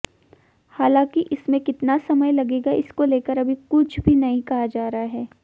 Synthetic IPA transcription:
haːlãːkiʔɪsmẽkɪt̪nasɐməjlɐɡeːɡaɪskoleːkəɾɐbʱikʊt͡ʃʰbʱinɐɦĩkɐɦad͡ʒaːɾaɦaɦɛː

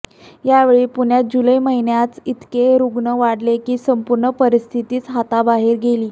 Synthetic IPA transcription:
jaʋeɭiːpuɳjad͡ʑuləjməɦinjat͡sit̪keɾuɡɳəʋaɽlekiːsəmpuɾɳəpəɾist̪ʰit̪iːt͡sɦat̪abaɦiɾɡeliː

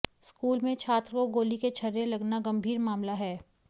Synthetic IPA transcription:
skuːlmẽt͡ʃʰaːt̪ɾəkoɡoːliket͡ʃʰɐɾelɐɡnaɡɐ̃mbʱiːɾmaːmlaɦɛː

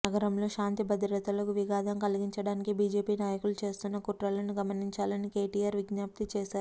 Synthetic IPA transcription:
nɐɡɐɾɐmlo̞ːʃaːnt̪ibɐd̪ɾjɐt̪ɐlɐkuʋiɡaːd̪ɐmkɐliɡiɲt͡ʃɐɽaːnikibiːd͡ʒe̞ːpiːnaːjɐkulut͡ʃe̞ːst̪unːɐkuʈɾɐlɐnuɡɐmɐniɲt͡ʃaːlɐnike̞ːʈijaːɾʋiɡɲaːp̚t̪it͡ʃeːʃaːɾu

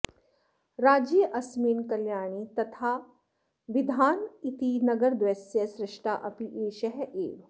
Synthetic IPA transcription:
ɾaːd͡ʒiːʔɐsmiːnkɐljaːnit̪ɐt̪ʰaː | ʋɪd̪ʱaːnit̪inɐɡəɾd̪ʋesjəsɾɪʂʈʰaːʔɐpiʔeːʃɐɦʔeːʋ

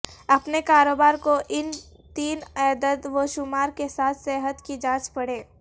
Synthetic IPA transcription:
ɐpnekaːɾoːbaːɾkoʔɪn | t̪iːnɛːd̪ət̪ʋoʃʊmaːɾkesaːt̪ʰsɛɦət̪kid͡ʒãːt͡ʃpɐɽeː

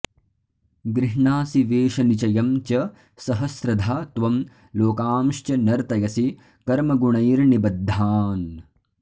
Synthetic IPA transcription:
ɡɾiɦɳaːsiʋeːʂɐnit͡ʃɐjɐmt͡ʃɐ | sɐɦɐsɾɐd̪ʱaːt̪ʋɐm | loːkaːmʃt͡ʃɐnɐɾt̪ɐjɐsi | kɐɾmɐɡuɳɐjɾnibɐd̪ʱːaːn

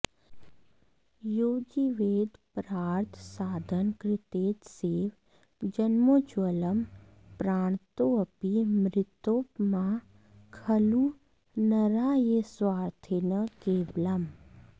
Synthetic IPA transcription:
joːd͡ʒiʋeːd̪pɾaːɾt̪ʰsaːd̪ʱənkɾɪt̪eːt̪seːʋ | d͡ʒɐnmoːt͡ʃwələm | pɾaːɳ̃t̪oɐpimɾɪt̪oːpmã | kʰɐlu | nɐɾaːjeswaːɾt̪ʰenəkeːblɐm

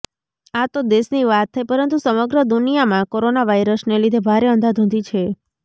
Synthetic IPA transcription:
at̪od̪esniʋat̪ʰːəjpəɾənt̪usəməɡɾəd̪unijamãkoɾonaʋajɾəsnelid̪ʱebʱaɾeənd̪ad̪ʱõnd̪it͡ʃʰe

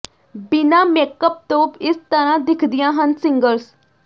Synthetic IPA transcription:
bɪnãːmeːkəp̚t̪oːbɪst̪əɾãːd̪ɪkʰd̪ɪjãːɦənsɪŋɡəls

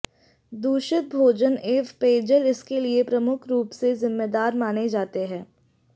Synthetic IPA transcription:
d̪uːʃɪt̪̚bʱoːd͡ʒəneːfpeːd͡ʒəlɪskeliepɾɐmʊkʰɾuːpsezɪmːeːd̪aːɾmaːned͡ʒaːt̪eɦɛ̃ː

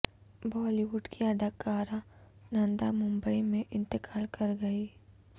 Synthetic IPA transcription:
bɔːliwʊɖkʰiɐd̪ʱəkaːɾanãnd̪amʊ̃mbəimẽʔɪ̃nt̪ɪkʰaːlkɐɾɡɐiː

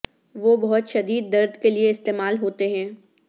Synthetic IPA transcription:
ʋobɐɦʊt̪ʃɐd̪iːd̪ːɐɾd̪ʱkelieɪst̪eːmaːlɦoːt̪eɦɛ̃ː

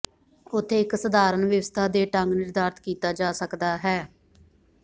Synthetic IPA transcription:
ʊt̪ʰːeːɪksəd̪aːɾənʋjəʋəst̪ʰaːd̪eːʈəŋɡnɪɾd̪aːɾt̪kiːt̪aːd͡ʒaːsəkd̪aːɦɛː

